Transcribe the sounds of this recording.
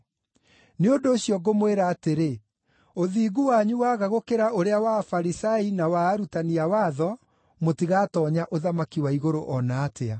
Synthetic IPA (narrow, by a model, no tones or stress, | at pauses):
neondoːɕiɔɡomweɾaːteɾe | oðiːɡuwaɲuwaɣaɣokeɾaoɾeawafaɾisainawaːɾutaniawaːðɔ | motiɣatɔːɲaʔoðamakiwaiɣoɾoʔɔnaːtea